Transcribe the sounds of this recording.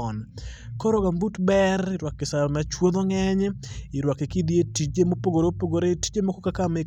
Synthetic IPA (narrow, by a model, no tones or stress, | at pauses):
ɔnkɔɾɔɡambutbɛrɪɾwakːɪsamɛt͡ʃwod̪ɔŋɛɲɛɪɾwakekid̪jetit͡ʃemopoɡoɾopoɡoɾeti̥d͡ʒemokɔkakame